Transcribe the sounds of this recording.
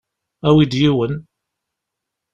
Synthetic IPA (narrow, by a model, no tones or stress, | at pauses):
æwid̪jiwən